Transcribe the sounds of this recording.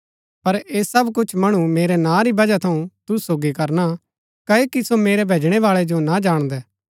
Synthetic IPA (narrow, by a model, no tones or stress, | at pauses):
pɐɾeːsɐbkʊt͡ʃʰmɐɽ̃umeːɾɛnãːɾibɐd͡ʒat̪ʰɐũt̪ʊsoːɡikɐɾna | kɐekisomeːɾɛbʱeːd͡ʒɽ̃ɛʋaːɭɛd͡ʒonad͡ʒaːɽ̃d̪ɛː